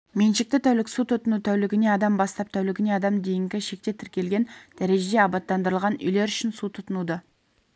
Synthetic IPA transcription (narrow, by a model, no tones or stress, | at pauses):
menʃɪk̚t̪ɪt̪ʰæwlɪksut̪ʰʊt̪ənut̪ʰæwlɪɡʲɪne̞ɑd̪ɑmbɑst̪ɑp̚t̪ʰæwlɪɡʲɪne̞ɑd̪ɑmd̪e̞jɪŋɡʲɪʃe̞k̚t̪e̞t̪ʰɪɾkʲe̞lɡʲe̞nd̪̥æɾe̞ʒed̪e̞ɑbɑt̪ːɑnd̪əɾəlˠʁɑnʏ̰jle̞ɾʏʃɪnsut̪ʰʊt̪ənud̪ə